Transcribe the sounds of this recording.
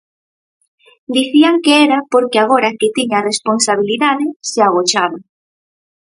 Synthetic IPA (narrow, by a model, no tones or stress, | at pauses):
d̪iθiaŋkeeɾapoɾkeaɣ̞oɾaket̪iɲaresponsaβ̞iliðaðɪseaɣot͡ʃaβa